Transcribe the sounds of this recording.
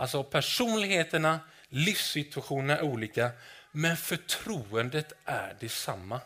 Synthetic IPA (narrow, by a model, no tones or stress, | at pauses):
ʔalsɔpʰæʂuːnlɪɡɦeːt̪əɳa | lɪfsɪt̪ʉaɧuːnənæ̰ɾuːliːkamɛnfœʈʰɾuːənd̪ət̪ʔæ̰ɾɖɛsamːa